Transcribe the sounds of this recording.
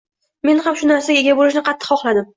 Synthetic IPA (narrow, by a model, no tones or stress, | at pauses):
me̞nhamʃʊnaɾsaɡʲaeɡʲabolɪʃnɪqʰɑt̪ʰːɨ̥qχɒχlˠad̪ɪm